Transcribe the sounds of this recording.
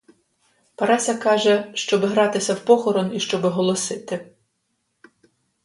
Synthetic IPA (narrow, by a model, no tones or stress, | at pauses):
pɐɾɑsʲɐkɑʒɛʃt͡ʃɔbɪɦɾɑt̪ɪsʲɐwpɔxɔɾɔniʃt͡ʃɔbɪɦɔlˠɔsɪt̪ɪ